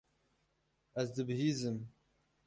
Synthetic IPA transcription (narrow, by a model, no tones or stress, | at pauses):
ɛzd̪ɨbɨɦiːzɨm